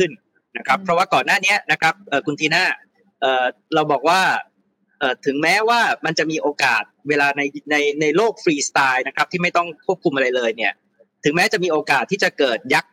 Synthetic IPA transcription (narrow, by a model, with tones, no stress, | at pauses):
kʰɯ˥˩n | na˦˥kʰɾa˦˥pʰːɾɔ˦˥waː˥˩kɔː˨˩nːaː˥˩ni˦˥ɐna˦˥kʰɾa˦˥p̚ʔɤː˨˩kʰu˧nt̪ʰiː˧naː˥˩ | ʔɤː˨˩ɾa˧wbɔː˨˩k̚waː˥˩ | ʔɤː˨˩t̪ʰɯ˩˦ŋmɛː˦˥waː˥˩ma˧nt͡ɕa˨˩miː˧ʔoː˧kaː˨˩t̪̚weː˧laː˧na˧jna˧jna˧jloː˥˩k̚fɾiː˧st̪aː˧jna˦˥kʰɾa˦˥p̚t̪ʰiː˥˩ma˥˩jt̪ɔ˥˩ŋkʰu˥˩əp̚kʰu˧mʔa˧ɾa˧jlɤː˧jni˥˩ɐ | t̪ʰɯ˩˦mɛː˦˥t͡ɕa˨˩ʔmiː˧ʔoː˧kaː˨˩t̪ʰːiː˥˩t͡ɕa˨˩kɤː˨˩t̪̚ja˦˥k̚